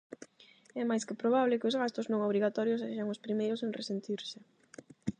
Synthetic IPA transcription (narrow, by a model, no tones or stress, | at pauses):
ɛmajskɪpɾoβaβlɪkɪʊzɣast̪ʊznõŋoβ̞ɾiɣat̪ɔɾjʊs̬eʃaŋʊspɾimejɾʊseŋrḛsent̪iɾsɪ